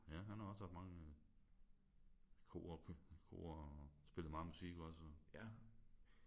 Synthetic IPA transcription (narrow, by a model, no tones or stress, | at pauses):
jæɦænhɑ̈ɒ̽shɑfd̥mɑ̈ŋə | kʰo̰ːɐkʰkʰo̝̰ːɐsb̥e̝lð̩ˠmɑ̈ːŋəmusiɡ̥ɒ̽sɒjæ